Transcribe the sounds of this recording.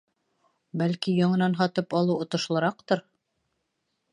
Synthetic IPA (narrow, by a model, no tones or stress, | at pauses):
bælkijɑɴɤ̆nɑnɦɑt̪ɤpɑlˠɤwŏt̪ɤ̆ʃlˠɤ̆ɾɑqt̪ɤɾ